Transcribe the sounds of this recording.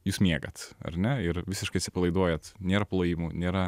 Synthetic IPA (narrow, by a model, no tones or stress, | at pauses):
juːsmʲiɛɡɐt̪ɐ̰ɾnʲɛɪɾʋʲɪsʲɪʃkɐɪɐt̪sʲɪ̥pɐlˠɐɪd̪uɔjɛt̪nʲeːɾɐplˠoːjimunʲeːɾɐ